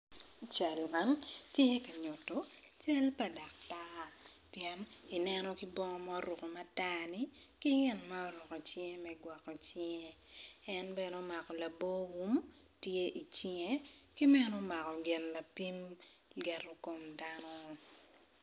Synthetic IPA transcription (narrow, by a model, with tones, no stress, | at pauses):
t͡ʃa˨lma˨˦ntje˦ka˨ɲo˨to˨t͡ʃa˦lpa˨da˨k̚ta˦piɛ˨ni˨nɛ˦nɔ˦ki˦bɔ˦ŋɔ˦ma˦o˦ɾu˨ko˨ma˦taː˦ni˦ki˦ɡɪ˦nma˦o˦ɾu˨ko˨t͡ʃe˦mɛ˦ɡwa˨kːɔ˨t͡ʃɪŋe˦˨ɛ˦nbɛ˦no˦ma˨kɔ˨la˨bo˦wu˦m | tje˦ʔi˨t͡ʃɪ˦ŋe˦ki˦mɛ˦no˦ma˨kɔ˨ɡɪ˨nla˨pi˦mɡɛ˨ro˦ko˨mda˦nɔ˦